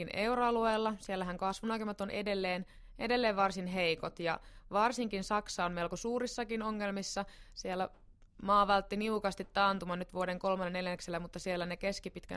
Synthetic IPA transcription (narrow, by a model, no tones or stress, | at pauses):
ineuroɑlueːlːɑsielːæɦæŋkɑsʋunɑkymɑt̪onʔedelːeːn | ʔedelːeːʋʋɑrsinɦeikot̪jɑ̰ʋɑrsiŋkinsɑksɑːommelkosuːɾisːɑkinoŋːelmisːɑsielːæ | mɑːʋɑlt̪ːiniukɑst̪it̪ːɑːnt̪umɑnyt̪ʋuodeŋko̞lmɑnːeneljækselːæmut̪ːɑsielːænekeskipit̪kæ̰